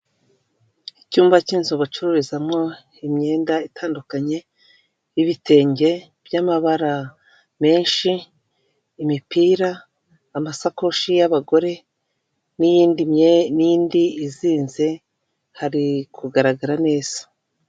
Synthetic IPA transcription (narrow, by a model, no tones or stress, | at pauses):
icuːmbaciːnzoβat͡ʃuɾuɾizamŋo̞ | imɲe̞ːndaitʰaːndukaɲe̞ | iβite̞ːɲɟe̞ | b̥jamaβaɾa | me̞ːnʃiː | mipiːɾaː | masako̞ʃijaβaɡo̞ɾe̞ | nijiːndiniiːndiːziːnze̞ | haɾikuɡaɾaɡaɾane̞ːz̥ḁ